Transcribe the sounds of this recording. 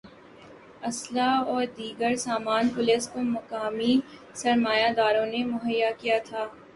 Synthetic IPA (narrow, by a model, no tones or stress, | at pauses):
ɐslaɔːɾd̪iːɡəɾsaːmaːnpʊlɪskomɐkaːmi | sɐɾmaːjad̪aːɾõnemʊɦəjːakijat̪ʰaː